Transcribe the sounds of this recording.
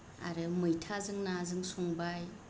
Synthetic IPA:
a̰ɾɯmɯjtʰazɯŋnazɯŋsuŋbaj

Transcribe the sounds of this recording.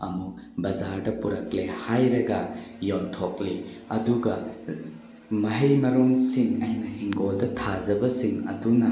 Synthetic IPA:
ɐmuk̚ | bɐzaɾdɐpuɾɐk̚lehajɾɐɡɐjontʰokli | ɐduɡɐ | mɐɦɐjmɐɾunsiŋɐjnɐhiŋɡoldɐtʰazɐbɐsiŋɐ̰dunɐ

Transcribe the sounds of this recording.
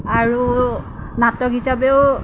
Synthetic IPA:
aɹu | natɔkɦisabeʊ

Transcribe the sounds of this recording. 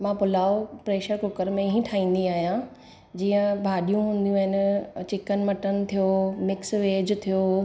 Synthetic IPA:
mãpʊlaːopɾeːʃəɾkʊkəɾmẽɦĩʈʰaːĩːnd̪iaːɦijã | d͡ʑiːə̃bʱaːɗijũɦũːn̆d̪ijũaːɦɪnt͡ɕɪkənɪ̆mɐʈənɪ̆t̪ʰijomɪksʋeːd͡ʑt̪ʰijoː

